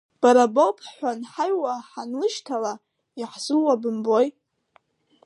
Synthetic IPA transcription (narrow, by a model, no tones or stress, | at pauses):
b̥aɾabowpʰħʷanħajwaħanlɨʃtʰala | iħzuwabɨmbo̞j